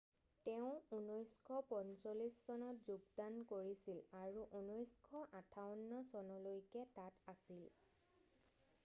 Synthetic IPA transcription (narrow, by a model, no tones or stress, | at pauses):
tɛʊ̃unɔjskʰɔpɔnsolissɔnɔtzuɡdankoɹisilaɹuʔunɔjskʰɔʔãtʰawnːɔsɔnɔlojkɛtatasil